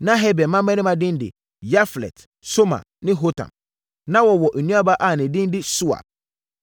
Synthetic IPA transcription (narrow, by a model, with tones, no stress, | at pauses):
nã˦ɦɛ˦bɛ˨mã˦mɛ̃˦nɪ̃˦mã˨dɪ̃˦ndɪ̰˨ | ja˦flɛ̰˨t | so˦mã̰˨ | nɪ̃˦ɦo˦tʰã̰˨m | nã˦wɔ˨wɔ˨ʔ̩˨nũ˦a˦ba˦ʔa˨nɪ̃˨dɪ̃˦n˦dɪ˦su˦a̰˨